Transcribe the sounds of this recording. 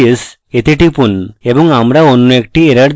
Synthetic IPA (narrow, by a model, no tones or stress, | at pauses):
s | et̪iʈipunebɔŋɡamɾaonːɔek̚ʈieɾəɽd̪